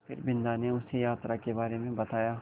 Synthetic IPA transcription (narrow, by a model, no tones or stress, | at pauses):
pʰɪ̰ɾbɪ̃nd̪aneʊsejaːt̪ɾakebaːɾemẽbɐt̪aːjaː